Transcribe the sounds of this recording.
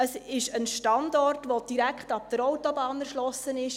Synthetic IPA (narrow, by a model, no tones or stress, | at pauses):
əsɪʃənʃtɑndɔrtʋod̥iɾækχtɑp̚d̥̪əɾɔwtɔbɑːnæɾʃlɔsənɪʃ